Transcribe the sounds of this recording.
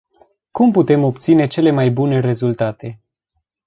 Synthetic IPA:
kumput̪e̞mo̞p̚t̪sine̞t͡ʃe̞le̞majbune̞ɾe̞zult̪at̪e̞

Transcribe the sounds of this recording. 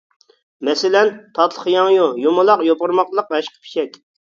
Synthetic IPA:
mɛsɪlɛnt̪ʰɑt̪ʰlˠəχjɑŋjujomʊlˠɑqjopʊɾmɑqlˠəqvɛʃqʰə̥pʰi̥ʃɛkʲ

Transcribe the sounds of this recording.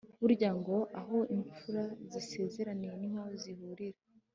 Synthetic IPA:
βuɾɟaŋɡo̞ʔaɦo̞iɱp͡fuɾazise̞ːze̞ɾanije̞nimaozihuɾiɾa

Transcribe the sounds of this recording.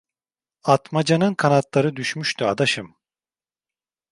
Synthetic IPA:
at̪mad͡ʒanɯnkʰanat̪lˠaɾɯd̪yʃmyʃt̪ʰyad̪aʃɯm

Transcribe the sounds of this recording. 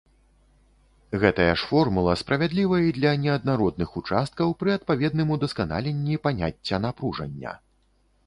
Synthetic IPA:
ɣɛt̪ɐjɐʂfɔrmulˠɐspɾɐvʲad̪lʲivɐjid̪lʲɐnʲɛɐd̪naɾɔd̪̚nɨxut͡ʂast̪̚kɐwpɾɨɐt̪̚pavʲɛd̪nɨmud̪ɐskana̰lʲenʲːipanʲa̰t͡sʲːɐnapɾuʐɐ̰nʲːɐ̰

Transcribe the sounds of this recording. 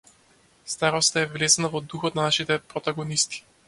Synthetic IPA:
st̪aɾɔst̪aɛvlɛzanavɔd̪uxɔt̪nanaʃit̪ɛpɾɔt̪aɡɔnist̪i̥

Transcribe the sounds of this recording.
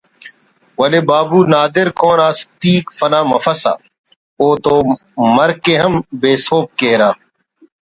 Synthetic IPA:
wɐleːbaːbuːnaːd̪ɪɾkoːnaːst̪iːkfɐnaːmɐfɐsa̰ː | oːt̪oːmɐɾkeɦɐmbeːsoːp̚keːɾaː

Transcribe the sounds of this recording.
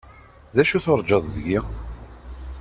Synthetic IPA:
ðæʃuθəɾˤd͡ʒɑðˤðəʝi

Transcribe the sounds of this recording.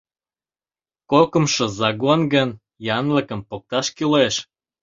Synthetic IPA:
kokə̆mʃɤ̆zɑɡonɡən | jɑnlə̆kə̆mpok̚t̪ɑʃkileʃ

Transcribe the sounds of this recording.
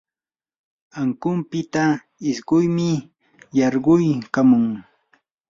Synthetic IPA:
aŋkʊmpɪt̪a | ɪsɢʊjmɪ | jɑɾɢʊjkamʊŋ

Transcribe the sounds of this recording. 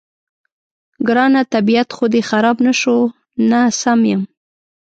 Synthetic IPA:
ɡɾɑnat̪abiat̪xod̪exaɾɑbnaʃo | nasamjəm

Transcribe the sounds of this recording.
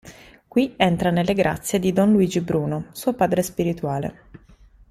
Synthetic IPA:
kwiɛnt̪ɾanelːeɡɾʔa̰t̪sːjed̪id̪ɔnluiːd͡ʒibɾuːnosuːopaːd̪ɾespiɾit̪uaːlḛ

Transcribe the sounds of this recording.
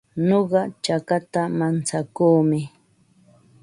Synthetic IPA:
noɢɑt͡ʃakat̪amant͡sakuːmɪ

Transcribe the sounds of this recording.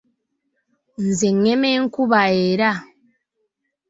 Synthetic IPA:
n̩zɛŋɛmeŋ̩kuβaeɾa

